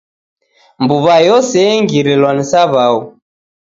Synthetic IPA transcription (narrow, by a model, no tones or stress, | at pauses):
mbuβajɔsɛɛŋɡiɾilwanisaβau